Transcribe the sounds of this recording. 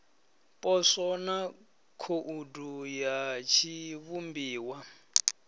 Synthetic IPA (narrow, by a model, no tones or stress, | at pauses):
pʼɔsɔna | kʰoʔudujat͡ʃʰiβumbiːwa